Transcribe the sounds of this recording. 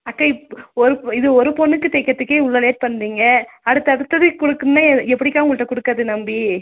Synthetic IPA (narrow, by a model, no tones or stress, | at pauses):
ɐkːaɪpɔɾɯɪðɯɔɾɯpɔnːɯkːɯt̪ɛːkːɐt̪ːɯkːeːʊɭːɐleːʈ̚pɐɳːɾiːŋɡɐɐɽɯt̪ːɐɽɯt̪ːɐðɯkʊɽɯkːɯnnɐɛpːɐɽɪkːaːŋɡʊɭɯʈːɐkʊɽɯkːaːðɯnɐmbi